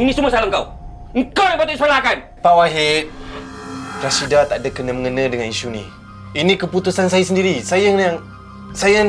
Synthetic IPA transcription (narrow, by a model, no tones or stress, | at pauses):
inĩsumasalaŋkaw | ŋkawdapat̪uʔisalakan | pawaɦet | pɾasidat̪aʔdakənəməŋənãdəŋaniʃunḭ̃ | inĩkəput̪usansajasəndiɾisajajaŋ | saja